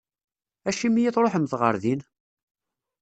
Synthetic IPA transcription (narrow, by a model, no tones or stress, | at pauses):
æʃimijiθɾˤoħəmθʁə̰ɾðin